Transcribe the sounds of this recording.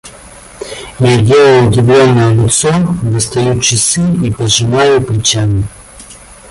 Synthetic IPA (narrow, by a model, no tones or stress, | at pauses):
jadʲelˠəjʊdʲɪvlʲonːəjəlʲɪt̪sovɨst̪ɐjut͡ɕɪsɨipɐʐɨmajʊplɪt͡ɕamʲɪ